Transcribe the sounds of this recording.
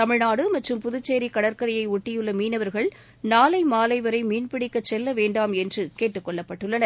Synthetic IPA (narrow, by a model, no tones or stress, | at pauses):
t̪ɐmɪɻnaːɽɯmɐʈrɯmpʊðɯt͡ʃːeːɾikɐɽɐɾkɐɾɐjɐɪʊʈːɪjɯɭːɐmiːnɐʋɐɾɣɐɭ | naːlɐɪmaːlɐɪʋɐɾɐɪmiːnpɪɽɪkːɐt͡ʃːɛlːɐʋeːɳɖaːmɛndrɯkeːʈːɯkːɔɭːɐpːɐʈːɯɭːɐnɐɾ